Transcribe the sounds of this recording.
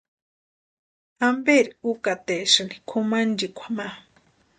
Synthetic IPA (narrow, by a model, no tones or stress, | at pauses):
ambeɾiukat̪eʃɨni̥kʰumand͡ʒikʷʰḁma